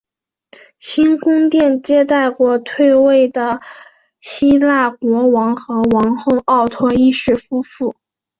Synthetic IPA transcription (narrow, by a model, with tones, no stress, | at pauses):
ɕi˥nkʊ˥ŋt̪jɛ˥˩nt͡ɕjɛ˥t̪a˥˩ɪkwɔ˧˥t̪ʰwe˥˧ɪwe˥˩ɪd̪ə˩ | ɕi˥la˥˩kwɔ˧˥wɑ˧˥ŋxɤ˧˥wɑ˧˥ŋxo˥˧ʊʔɑ˥˩ʊt̪ʰwɔ˥ni˥˧ʂɻ̩˥˩fu˥fu˥˩